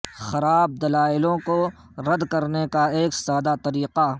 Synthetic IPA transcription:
xɐɾaːb̚d̪ɐlaːɪlõko | ɾɐd̪kɐɾnekaeːksaːd̪at̪ɐɾiːqa

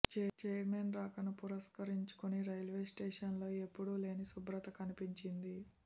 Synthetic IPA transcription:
t͡ʃt͡ʃɛjɾmenɾaːkɐnupuɾɐskɐɾiɲt͡ʃu̥kuniɾɐjlʋeːsʈeːʂɐnlo̞ːe̞pːuɽule̞ːnisubɾɐt̪ɐkɐnipiɲt͡ʃind̪i

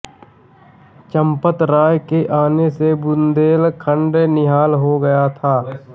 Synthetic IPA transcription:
t͡ʃə̃mpət̪ɾaːjkeʔaːnesebʊnd̪eːlkʰə̃ɳɖenɪɦaːlɦoɡɐjat̪ʰaː

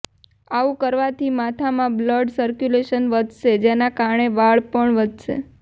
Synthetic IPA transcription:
aʋũkəɾʋat̪ʰimat̪ʰamãbləɖsəɾkjuleʃənʋəd̪ʱʃed͡ʒenakaɾɳeʋaɭpəɳʋəd̪ʱʃḛ

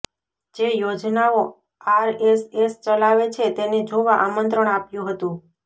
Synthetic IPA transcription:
d͡ʒejod͡ʒnao | aɾesest͡ʃəlaʋet͡ʃʰet̪ened͡ʒoʋaʔamənt̪ɾəɳ̃apjũɦət̪ũ

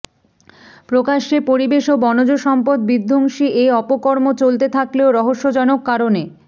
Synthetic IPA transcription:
pɾokaʃepoɾibeʃobɔnod͡ʑoʃɔmpod̪̚bid̪ʱːoŋʃiʔeɔpokɔɾmot͡ɕolt̪et̪ʰakleoɾɔɦoʃːod͡ʑɔnokːaɾone

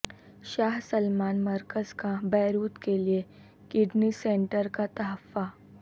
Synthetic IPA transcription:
ʃaːɦsəlmaːnməɾkəzkabɛːɾuːt̪kelie | kɪɖnisẽɳʈəɾkat̪ɐɦəfːa

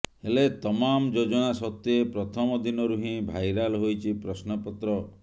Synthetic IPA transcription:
helet̪ɔmamd͡ʒod͡ʒɔɽ̃asɔt̪ːepɾɔt̪ʰɔmɔd̪inɔɾuɦĩbʱajɾalɦojt͡ʃʰipɾɔsnɔpɔt̪ɾɔ

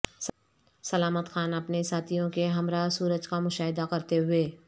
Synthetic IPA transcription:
sɐlaːmət̪xaːnɐpnesaːt̪ʰijõkeɦɐmɾaːsuːɾəd͡ʒkamʊʃaːɦɪd̪akɐɾt̪eɦʊeː

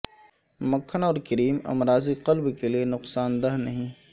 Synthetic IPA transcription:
mɐkʰːənɔːɾkəɾiːmɐ̰mɾaːziqɐlbkelienʊqsaːnd̪ɐɦnɐɦĩː

